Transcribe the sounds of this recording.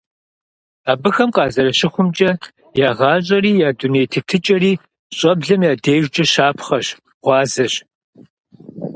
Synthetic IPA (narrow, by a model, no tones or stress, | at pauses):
aːbɨxɐmqɑːzɐɾɐɕɪχʷʊmt͡ʃʼɐ | jaːʁɑːɕʼɐɾiːjaːduneːjtʰɨtʰɨt͡ʃʼɐɾiː | ɕʼɐbɮɐmjaːdeːʒd͡ʒʼɐɕaːpʰχɐɕ | ʁ̥ʷɑːzɐɕ